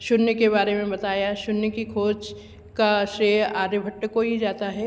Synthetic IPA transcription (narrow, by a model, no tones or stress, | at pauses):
ʃʊnnekeβaːɾemẽbɐt̪aːjaʃʊnnekikʰoːt͡ʃ | kaʃɾeːaːɾəbʱɐʈːəkoɦid͡ʒaːt̪aɦɛː